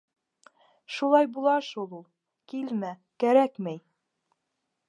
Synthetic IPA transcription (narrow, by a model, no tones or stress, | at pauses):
ʃulˠɑjbulˠɑʃulˠulˠ | kilmækæɾækmæj